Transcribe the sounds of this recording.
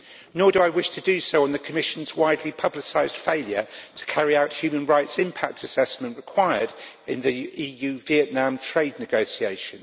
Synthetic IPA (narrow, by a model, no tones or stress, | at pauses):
nɔːdəaɪwɪʃtʰədəsəʊə̃nðəkʰəmɪʃə̃nzwaɪdˡlipʰʌblɪsaɪz̥d̥feɪljə̰tʰə̥kʰaɹiaʊʔhjʉːmə̃nɹaɪtsɪ̃mpʰak̚tʰəsɛsmə̃nʔɹɪkʰw̥aɪəd | ɪ̰̃nðiiːjʉːviɛʔⁿnãmtʰɹ̥eɪdⁿnɪɡəʊsieɪʃə̃nz